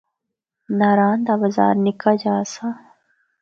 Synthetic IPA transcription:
naɾaːnd̪abɐza̰ːɾnikad͡ʒaːsa

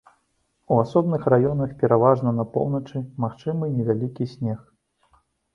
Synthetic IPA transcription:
uasɔbnɨxrajɔnɐxpʲɛɾavaʐnɐnɐpɔ̰wnɐt͡ʂɨmaxt͡ʂɨmɨnʲɛvʲalʲikʲisʲnʲɛx

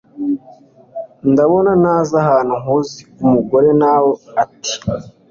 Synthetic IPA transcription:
ndaβo̞nanaːzaɦaːnuŋuziumuɡo̞ɾe̞naːwoati̥

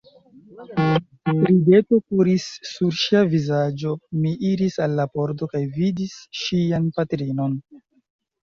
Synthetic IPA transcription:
ɾide̞to̞kuɾisːuɾʃiavizad͡ʒo̞miʔiɾisalːapo̞ɾdo̞kajvidisʃianpatɾino̞n

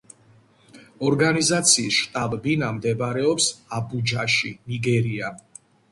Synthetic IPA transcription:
ɔɾɡanizat̪sʰiːsʃt̪ʼabbinamd̪ɛbɾɛɔpsabud͡ʒaʃiniɡɛɾia

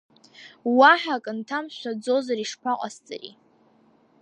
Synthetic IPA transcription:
waħakʼntʰamʃʷad͡zo̞zaɾiʂpʰaqʼa̰st͡sʼa̰rḭ

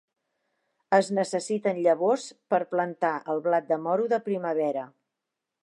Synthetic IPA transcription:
əznəsəsit̪ənʎəβ̞ospəɾplənt̪aʔəlˠβlat̪̚d̪əmɔɾuðəpɾiməβɛɾə

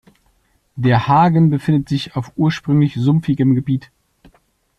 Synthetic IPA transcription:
d̥eːɐhaːɡənbəfɪndətz̥ɪçaʊfʔuːɐʃpʁ̥ʏŋlɪçzʊmfɪɡəmɡəbiːt

